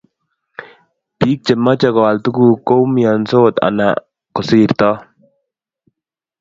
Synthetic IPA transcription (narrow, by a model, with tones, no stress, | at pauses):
piː˦k̚t͡ʃɛ˨mːa˦t͡ʃa˨kɔ˨wa˨lt̪u˦ku˨ko˦wmija˨nso˦t̪a̰˨na̰˨ | kɔ˨si˦ɾt̪ɔ˦